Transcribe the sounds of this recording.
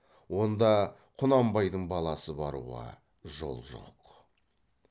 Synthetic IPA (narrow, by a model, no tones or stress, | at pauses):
wo̞nd̪ɑ | qʰʊnɑmbɑjd̪əɴbɑlˠɑsəbɑɾṵʁɑ̰ | ʒo̞̰lˠʒo̞̰q